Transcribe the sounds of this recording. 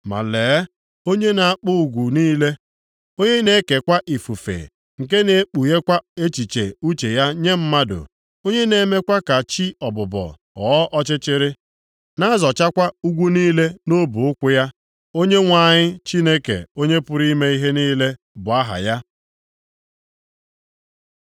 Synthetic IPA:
ma̰˨leː˨˦ | o˦ɲe˦na˨a˦k͡pʊ˦u˨ɡʷu˨niː˦le˦ | o˦ɲe˦ne˨˦ke˨kʷa˦ʔi˨fu˨fḛ˨ | ŋ̩˨ke˦ne˨˦k͡pu˨je˦kʷa˦e˦t͡ʃi˨t͡ʃe˨u˦t͡ʃe˨ja˦ɲe˦m̩˦ma˦dʊ̰˨ | o˦ɲe˦ne˨˦me˦kʷa˦ka˨t͡ʃi˦ɔ˨bʊ˨bɔ̰˨ | ɔ̰ː˨˦ʔɔ˦t͡ʃɪ˦t͡ʃɪ˦ɾɪ˦ | na˦zɔ˨t͡ʃa˦kʷa˦u˦ɡʷu˦niː˦le˦no˦bʊ˨ʊ˦kʷʊ˦ja˦ | o˦ɲe˦ŋʷa˨ɲɪ˦t͡ʃi˦ne˦kḛ˨o˦ɲe˦pʊ˦ɾi˦me˦i˦ɦe˦niː˦le˦ | bʊ˨a˦ɦa̰˨ja˦

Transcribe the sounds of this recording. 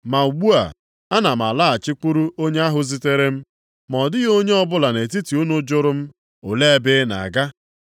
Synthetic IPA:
ma˨u˨ɡ͡bu˦a̰˨ | a˦na˨m̩˨a˨la˦a˨t͡ʃɪ˦k͡pu˦ɾu˦ʔo˦ɲe˦a˦ɦʊ˨zi˦te˦ɾe˦m̩˦ | mɔ˨dɪ˦ɣo˦ɲe˦ɔ˦bʊ˦la˨ne˨ti˦ti˨u˦nʊ˦d͡ʒʊ˦ɾʊ˦m̩˦ | ʊ˨le˦e˦bɪ˦na̰˨a˨ɡa˦

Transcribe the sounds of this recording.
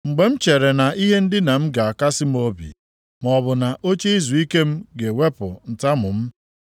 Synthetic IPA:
ŋ͡m̩˨ɡ͡be˨m̩˦t͡ʃe˨ɾe˨na˨ʔi˦ɦe˦n̩˦dɪ˦na˨m̩˦ɡa˨a˨ka˦sɪ˦m˦o˦bḭ˨ | m˨ɔ˨bʊ˨na˨ʔo˦t͡ʃi˦i˦zu˨i˦ke˦m̩˦ɡe˨we˦pʊ˨n̩˨ta˦mʊ˨m̩˦

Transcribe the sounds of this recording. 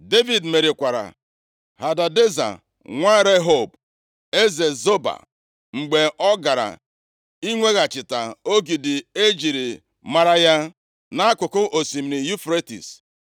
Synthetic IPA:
de˦vi˨dme˨ɾi˨kʷa˨ɾa̰˨ | ha˨da˨de˦za̰˨ | ŋʷa˦ɾe˦ɦo˦˨b | e˦ze˨zo˦ba̰˨ | ŋ͡m̩˨ɡ͡be˨ʔɔ˦ɡa˨ɾa̰˨ | i˦ŋʷe˦ɣa˨t͡ʃɪ˨ta˨o˦ɡi˨dɪ˨e˦d͡ʒi˨ɾi˨ | ma˦ɾa˦ja˦ | na˦kʷʊ˨kʊ˦ʔo˨si˨m˨ni˨ju˦fɾe˦tḭ˨s

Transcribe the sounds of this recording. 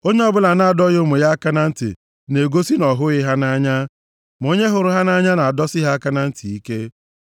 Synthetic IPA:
o˦ɲe˦ɔ˦bʊ˦la˨na˨a˨dɔ˦ɣʊ˦mʊ˨ja˦a˦ka˦na˦n̩˦tɪ̰˨ | ne˨ɡo˦si˦nɔ˨ɦʊ˦ɣɪ˦ɦa˦na˦ɲa˦ | m˨o˦ɲe˦ɦʊ˨ɾʊ˨ɦa˦na˦ɲa˦na˨a˨dɔ˦sɪ˦ɦa˦a˦ka˦na˦n̩˦ti˨i˦ke˦

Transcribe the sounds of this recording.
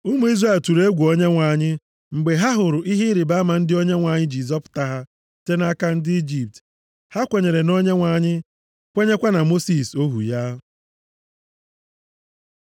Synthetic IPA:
ʊ˦mu˨˦i˦zra˦˨ltu˨ɾe˦ɡʷu˨o˦ɲe˦ŋʷa˨ɲɪ˦ | ŋ͡m̩˨ɡ͡be˨ɦa˦ɦʊ˨ɾʊ˨ʔi˦ɦi˦ɾɪ˨ba˦ma˨n̩˦dɪ˦o˦ɲe˦ŋʷa˨ɲɪ˦d͡ʒi˨zɔ˦pʊ̥˨ta˦ɦa˦ | te˦na˦ka˦n̩˦dɪ˦i˦d͡ʒi˨p̚t | ha˦kʷe˨ɲe˨ɾe˨no˦ɲe˦ŋʷa˨ɲɪ˦ | kʷe˦ɲe˦kʷa˦na˨mo˦si˨so˦ɦṵ˨ja˦

